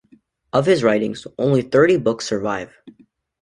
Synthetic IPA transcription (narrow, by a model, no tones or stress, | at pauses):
ʔʌv̥ɨzɹaɪɾɪ̰̃ŋzʔõ̰ʊ̃nliθɜ˞ɾibʊksə˞vaɪv̥